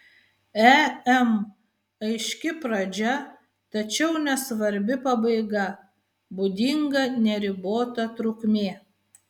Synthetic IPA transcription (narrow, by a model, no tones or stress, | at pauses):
ɛɛm | ɐɪʃʲkʲɪpɾɐd͡ʒʲɛ | t̪ɐt͡ʃʲɛʊnʲɛsʋɐɾʲbʲɪpɐbɐɪɡɐ | bʊd̪ʲɪŋɡɐnʲɛɾʲɪboːt̪ɐt̪ɾʊkmʲeː